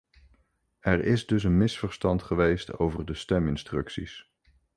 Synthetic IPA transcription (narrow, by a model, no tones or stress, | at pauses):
ɛɹɪzdɵs̬ənmɪsfəɹstɑntχəʋejsto̰wvəɹdəstɛmɪnstrɵksḭs